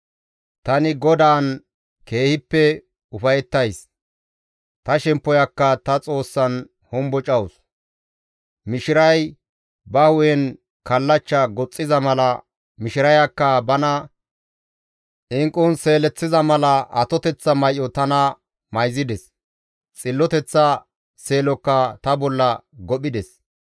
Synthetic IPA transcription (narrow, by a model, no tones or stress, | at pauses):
t̪ɐnɪɡɔd̪aːn | ke̞ːhɪpːɛ | ʊfɐjɛt̪ːɐjs | t̪ɐʃɛmpːɔjɐkːɐt̪ɐt͡sʼo̞ːsːɐn | hɔmbɔt͡ʃʼɐwʊs | mɪʃɪɾɐj | bɐhʊjɛn | kɐlːɐt͡ʃːɐɡɔt͡sʼːɪzɐmɐlɐ | mɪʃɪɾɐjɐkːɐbɐnɐ | ʔɪŋkʼːʊnse̞ːlɛt͡sːɪzɐmɐlɐʔɐ̰t̪ɔt̪ɛt͡sːɐmɐjʔɔt̪ɐnɐ | mɐjzɪd̪ɛs | t͡sʼɪlːɔt̪ɛt͡sːɐ | se̞ːlɔkːɐt̪ɐbɔlːɐɡɔɓɪd̪ɛs